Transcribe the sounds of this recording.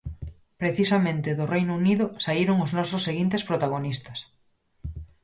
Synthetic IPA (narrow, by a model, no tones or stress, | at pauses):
pɾeθisamẽnt̪ɪðʊrejnouniðʊsaiɾoŋʊznɔsʊsːeɣint̪espɾot̪aɣonist̪ɐ̥s